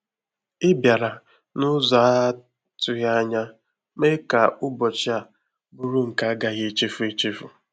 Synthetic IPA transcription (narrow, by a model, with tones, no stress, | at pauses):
ɪ˦bja˨ɾa˨ | nʊ˦zɔ˨a˦ | tʊ˨ja˦ɲa˦ | me˦ka˨ʊ˦bɔ˨t͡ʃɪ˦a˨ | bu˦ɾu˦ŋ̩˨ka˦a˦ɡa˨ɣe˦t͡ʃe˦fu˦e˦t͡ʃi˦fʊ˨